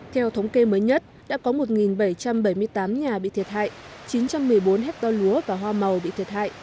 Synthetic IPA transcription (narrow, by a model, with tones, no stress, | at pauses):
t̪ʰɛ˧wt̪ʰə˨˦wŋ͡mke˧məː˨˦jɲə˦˥t̚ | ɗa̰ː˧˥kɔ˨˦mo˨˩t̚ŋi˨˩nɓə˧˩jt͡ɕa˧mɓə˧˩jmɨ˧əjt̪aː˨˦mɲaː˨˩ɓḭ˧˨t̪ʰi˨˩ət̚ha̰ː˧˨jt͡ɕi˨˦nt͡ɕa˧mːɨ˨˩əjɓo˨˦nɦɛ˦˥k̚t̪ɔ˧lu˨˦əvaː˨˩ɦwaː˧mə˨˩wɓḭ˧˨t̪ʰi˨˩ət̚ha̰ː˧˨jʔ